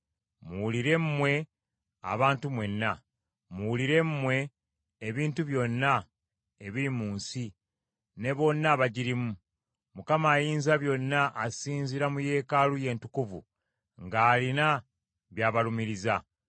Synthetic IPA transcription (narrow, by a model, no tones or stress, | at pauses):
muwuliɾe̞mmwe̞ | a̰βaːntumwe̞nːa | muwuliɾe̞muwe̞ː | βiːntuβjo̞nːa | eβiɾimuːnsi | ne̞βo̞nːaβaɟiɾimu | mukamaːjiːnzaβjo̞nːaʔːsiːnziɾamuje̞ːkaluje̞ːntukuvṵ | ŋɡaːlina | βjaːβalumiɾiza